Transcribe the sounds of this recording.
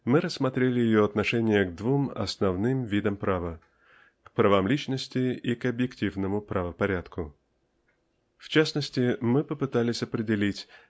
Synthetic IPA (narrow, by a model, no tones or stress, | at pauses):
mɨɾəsːmɐt̪ɾʲelʲɪjɪjoɐt̪nɐʂɛnʲɪjəɡd̪vumɐ̰snɐvnɨmvʲid̪əmpɾavə | kpɾɐvamlʲit͡ɕnəsʲtʲɪikɐbjɪktʲivnəmʊpɾʔɐvəpɐɾʲat̪kʊ | ft͡ɕasnəsʲtʲɪmɨpəpɨt̪alʲɪsʲɐpɾʲɪdʲɪlʲitʲ